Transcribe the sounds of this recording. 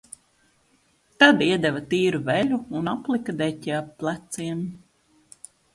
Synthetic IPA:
t̪ad̪iɛd̪ɛvɐt̪iːɾuvɛʎʲuːnaplˠikɐd̪ɛcʲɛaplˠat̪siɛm

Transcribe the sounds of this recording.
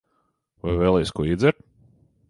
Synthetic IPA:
vajvɛːlˠɛjskuɔid̪zɛɾ

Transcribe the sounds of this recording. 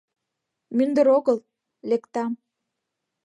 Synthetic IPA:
mynd̪ə̆ɾoɣəl | lekt̪ɑm

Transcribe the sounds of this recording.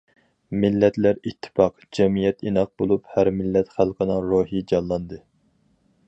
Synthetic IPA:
mɪlːɛt̪læɾit̪ʰːɪ̥pɑq | d͡ʒɛmijɛt̪inɑq̚bolˠuphæɾmɪlːɛt̪χælˠqʰənɨŋɾoːɦid͡ʒɑnlˠɑnd̪ɨ

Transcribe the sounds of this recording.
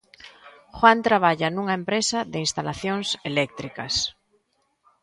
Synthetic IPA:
xwant̪ɾaβ̞aʎanuŋaempɾesaðeinst̪alaθjoŋselɛk̚t̪ɾikas

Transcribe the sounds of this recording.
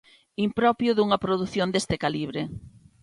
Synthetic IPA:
impɾɔpjʊðuŋɐpɾoðuθjond̪est̪ɪkaliβ̞ɾɪ

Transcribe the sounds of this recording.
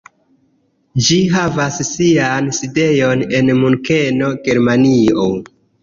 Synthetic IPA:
d͡ʒiɦavassianside̞jone̞nmunke̞no̞ɡeɾmanio

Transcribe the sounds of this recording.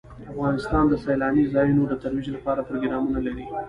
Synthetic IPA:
afɣɑnɪst̪ɑnd̪əsajlɑnizɑjunod̪ət̪aɾwid͡ʒlapɑɾapɾoɡɪɾɑmunalaɽi

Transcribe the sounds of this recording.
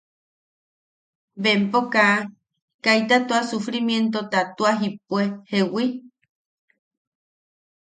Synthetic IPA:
bempoka | kajt̪at̪uasufɾimjent̪ot̪at̪uaɦipwehewi

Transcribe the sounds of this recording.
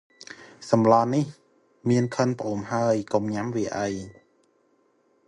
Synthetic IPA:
samlɔːnːi | miənkʰɤnpʰoːmhajkomɲamwiʔaj

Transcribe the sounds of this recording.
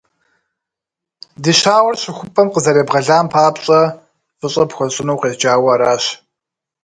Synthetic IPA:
diɕaːwɐrɕɪxʷʊpʼɐmqəzɐɾeːbʁɐɮaːmpʰaːpɕʼɐ | fɨɕʼɐpxʷɔɕʼɪnɐwqeːt͡ʃaːwɐɾaːɕ

